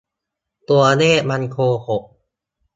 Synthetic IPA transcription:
t̪u˧ɐneː˥˩˨ma˧nkʰoː˧ho˨˩ʔ

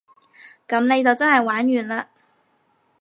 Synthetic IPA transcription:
kɐ˨˧˥mne˧jt͡sɐ˨wt͡sɐ˥nhɐ˨jwaː˨˥njyː˨nlaː˧

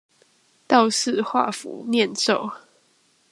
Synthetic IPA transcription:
t̪ɑ˥˧ʊsɹ̩˥˧˨xwa̰˥˨fṵ˨˦njɛ˥˨nso˥˨ʊ

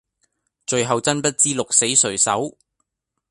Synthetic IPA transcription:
t͡ʃɵ˨ɥɦɐ˨wt͡sɐ˥npɐ˥t̚t͡siː˥lʊ˨k̚se˨˥jsɵ˨˩ɥsɐ̰˨˥w

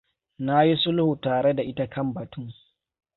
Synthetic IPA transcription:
na˦ji˦sʊ˦lhu˨taː˨ɾe˦da˨ʔɪ˦ta˦kɐ˦mbɐ˨tu˦ŋ

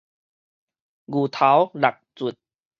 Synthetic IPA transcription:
ɡu˨˩t̪ʰa˨˦wla˨k̚t͡su˨˩t̪̚

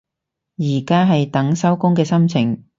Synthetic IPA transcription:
jiː˨˩kaː˥ɦɐ˨jt̪ɐ˨˥ŋsɐ˥wkʊ˥ŋkɛː˧sɐ˥mt͡sʰɪ˨˩ŋ

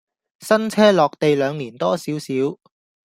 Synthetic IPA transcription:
sɐ˥nt͡sʰɛː˥lɔː˨k̚t̪e˨jlœː˨˧ŋliː˨˩nt̪ɔː˥siː˨˥wsiː˨˥w

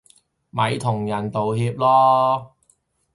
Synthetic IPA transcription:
mɐ˨˧jt̪ʰʊ˨˩ŋjɐ˨˩nt̪o˨wɦiː˧p̚lɔː˥

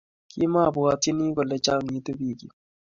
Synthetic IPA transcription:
kʰi˦ma˦˨bʊ˨a˨te˦ni˦kɔ˨lɛ˨t͡ʃa˦˨ŋi˨˦t̪o˦bi˦˨kḭ˨

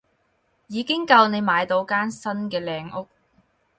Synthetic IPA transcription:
jiː˨˧kɪ˥ŋkɐ˧wne˨˧jmaː˨˧jt̪o˨˧wkaː˥nsɐ˥nkɛː˧lɛː˧ŋʊ˥k̚

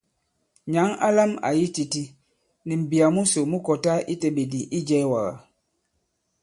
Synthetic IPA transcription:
ɲa˨˦ŋa˦la˦ma̰˨ji˦ti˨ti˦ | ni˨m̩˨bi˨a˨mu˦so˨mu˦kɔ˨ta˦ʔi˦te˨be˨di˨ʔi˦d͡ʒɛ˦wa˨ɣa̰˨

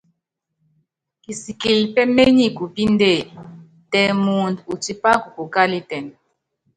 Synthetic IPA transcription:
ki˨si˨ki˨li˨pɛ˦me˦ɲi˦ku˨pi˦nde˦˨ | tɛ˨mu˨ntu˨t͡ʃi˦pa˦ku˨ku˨ka˦li˦tɛ˨n

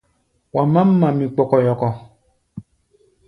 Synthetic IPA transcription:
wa˨mã˦m̩˦mã˨mĩ˨k͡pɔ˨kɔ˨jɔ˨kɔ˨

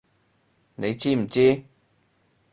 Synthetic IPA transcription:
ne˨˧jt͡ɕi˦˥m̩˨˩t͡ɕi˦

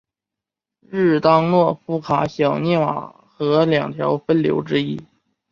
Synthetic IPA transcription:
ɻ̩˥˩t̪ɑ˥ŋlwɔ˥˩fu˥kʰa˧˥ɕjɑ˨˩ʊnjɛ˥˩nwa̰˨˩ | xɤ˧˥ljɑ˨˩ŋt̪ʰjɑ˧˥ʊfə˥nljo˧˥ʊʈ͡ʂɻ̩˥i˥

